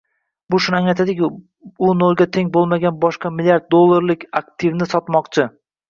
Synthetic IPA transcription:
bʊʃʊnaŋajt̪ad̪ɪkʲɪ | ʊnolˠɡʲat̪ʰe̞ŋʲbolˠmaɡʲanbɒʃqɑmɪlʲijaɾt̪̚d̪olˠːaɾlɪkʲakt̪ʰɪvnɪsɒt̪mɒqt͡ʃʰɪ

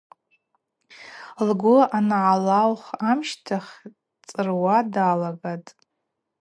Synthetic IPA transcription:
lɡʷʊanʕalawχamʃtʰaχʲ | t͡sʼɨrwadalaɡatʼ

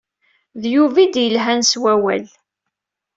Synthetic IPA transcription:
ðjuvid̪jəlɦænswæwæ̰l

